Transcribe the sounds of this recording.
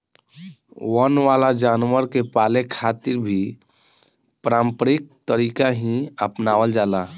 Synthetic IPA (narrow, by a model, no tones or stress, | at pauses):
wənʋalad͡ʒaːnwəɾkepalekʰat̪iɾbʱi | pɾaːmpɾik̚t̪əɾikaɦĩəpnawəld͡ʒala